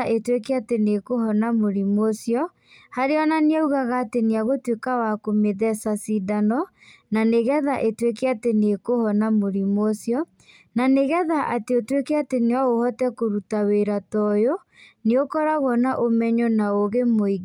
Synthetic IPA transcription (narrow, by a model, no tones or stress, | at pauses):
aʔetwekɛatenekohɔnamoɾimwɔsjɔ | haɾeɔnaneauɣaɣaːteneaɣotwekawakomeðɛsasidanɔ | naneɣɛðaʔetwekɛatenekohɔnamoɾimwɔsjɔ | naneɣɛðaʔateotwekeateneaohɔtɛkoɾutaweɾatɔjɔ | neokɔɾaɣɔnaʔomɛɲɔnaoɣemoiɣ